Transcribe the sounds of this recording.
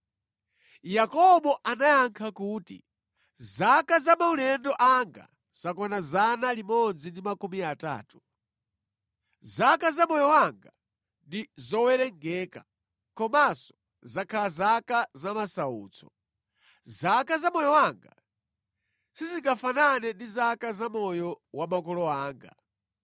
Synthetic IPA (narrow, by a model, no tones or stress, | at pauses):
jakɔɓɔʔanajaŋkʰakuːtḭ | zakazamaulɛndɔʔaŋɡa̰ | z̥akɔnazanalimɔnd͡zindimakumiata̰ːtu̥ | zakazamɔjɔwaŋɡa | ndizɔwɛɾɛŋɡɛka̰ | kɔmasɔ̥ | zakʰalazakazamasaṵːt͡sʰɔ̥̰ | zakazamɔjɔwaŋɡa | siziŋɡafananɛndizakazamɔjɔwamakɔlɔaːŋɡa